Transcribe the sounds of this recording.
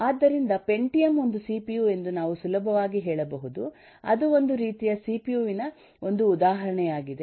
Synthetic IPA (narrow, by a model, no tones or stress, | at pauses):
aːd̪ːɐɾind̪ɐpe̞ɳʈijɐmo̞nd̪usiːpijuːe̞nd̪unaːʋusulɐbʱɐʋaːɡiɦɛːɭɐbɐɦud̪u | ɐ̰d̪uo̞nd̪uɾiːt̪ijɐsiːpijuːʋinɐ | o̞nd̪uːd̪aːɦɐɾɐɳɛjaːɡid̪e